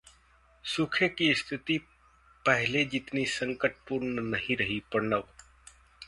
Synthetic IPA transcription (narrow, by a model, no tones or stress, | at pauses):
sʊkʰekiɪst̪ʰɪt̪i | pəɦɪled͡ʒɪt̪nisəŋkəʈ̚pʊɾnənəɦĩɾəɦipəɽnəʋ